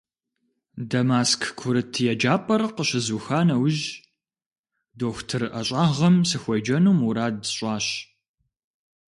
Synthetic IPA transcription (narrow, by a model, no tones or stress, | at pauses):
dɐmaːskʰkʷʰʊɾɨtʰjɛd͡ʒaːpʼɐrqəɕɪzuxaːnɐwʊʒ | doːxʷtʰɨrʔɐɕʼaːʁɐmsɨxʷɔjd͡ʒɐnuːmuɾaːdɕʼɑːɕ